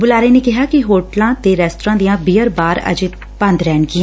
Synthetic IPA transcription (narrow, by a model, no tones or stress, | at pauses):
bʊlaːɾeːneːkɪɦaːkɪɦoːʈlãːt̪eːɾɛːst̪ɾãːd̪ijãːbiːəɾbaːɾə̰d͡ʒ | bə̃nd̪ɾɛːɳɡɪãː